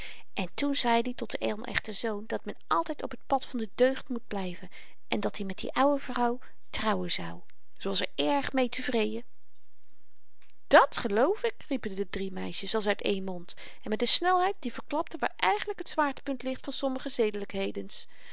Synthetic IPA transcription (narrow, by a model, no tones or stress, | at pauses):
ʔɛntunzɛjditɔt̚dəʔɛ̰nʔɛ̰χtəzowndɑt̚mɛnʔɑlˠtɛjtɔpɦət̚pɑtfɑndədøɥχtmud̚blɛjvən | ʔɛndɑtdimɛt̚dḭʔɑwəvrɑw | trɑwəzɑw | z̥owɑlˠsɛɹɛɹχmejtəvrejdə | d̥ɑtχəlowfɪkripəndədrimɛjʃəsɑlˠsœɥtḛjnmɔnt | ʔɛnmɛt̚dəsnɛlˠɦɛjt̚divəɹklɑp̚təʋa̰ːɹɛjχənləkɦətsʋaːɹtə̥pɵntlɪχtfɑnsɔməχəzejdələkɦejdəns